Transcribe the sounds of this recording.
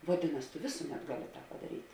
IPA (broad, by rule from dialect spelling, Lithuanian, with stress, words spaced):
ʋɐˈdʲɪnɐs tʊ ˈʋʲeːsʊˌmʲɛt ˈɡɑːˌlʲɪ pɐdɐˈrʲiːtʲ